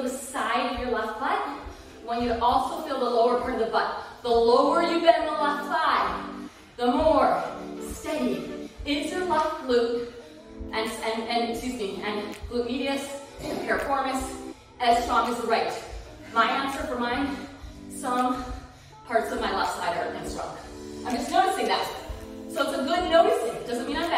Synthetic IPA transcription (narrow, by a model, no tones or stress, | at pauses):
ðəsaɪɾʌvjə˞lɛftb̥ʌt̚ | wə̃njɨʔɔlˠsoʊfilˠðəloʊə˞pʰɑ̃ɹɾʌðəbʌt̪̚ðəloʊə˞jɨɡɛɾɨ̃n̩ðəlɛftsaɪ | ðəmɔɹstɛɾĩɪ̃ntʰʉlab̥lʉp | ʔɨ̃nsɨ̃nɨ̃ntʰʉpnɪ̃ŋɨ̃nb̥lʉmiɾiɨs | ɨ̃npʰɛɹɨfɔɹmɨs | ʔɨz̥stɹ̥ɔ̃ŋɨzəɹaɪt | maɪæ̃nsə˞fə˞mãɪ̃ | sʌ̃ŋ | pʰɑɹtsʌvmaɪlafsaɪɾə̰˞ɨ̃nstɹ̥ɔ̰̃ŋʔãɪ̃md͡ʒʌsnoʊɾɨseɪðæt̚soʊətsəɡʊd̚ⁿnoʊɨz̥sɪ̃d̥ʌzɨ̃n̚mĩnãɪbæ